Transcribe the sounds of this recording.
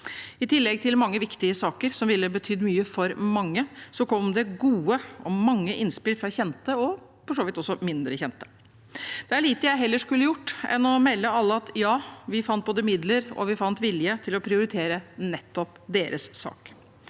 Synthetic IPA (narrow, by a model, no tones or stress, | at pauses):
ɪt̪ʰɪlːɛɡ̚t̪ʰɪlmɑŋːəʋɪkt̪ɪəsɑːkəɾsɔmʋɪlːəbət̪ʰyːd̪myːəfɔɾmɑŋːəsɔkʰɔmd̪ɛɡuːəɔmɑŋːəʔɪnspɪlfɾɑçɛnt̪əɔ | fɔʂoːʋɪt̪ɔsːɔmɪnd̪ɾəçɛnt̪ə̥ | d̪̥ɛæɭiːt̪əjæɪɦɛlːəʂkʉlːəjʊʈːɛ̰nːɔmɛlːəɑlːəɑt̪jɑːʋɪfɑnt̪̚boːd̪əmɪd̪ləɾɔ̰ʋɪfɑnt̪ʋɪljət̪ʰɪlɔpʰɾɪʊɾɪt̪ʰeːɾənɛt̪ːɔpd̪eːɾʔəsːɑ̰ːk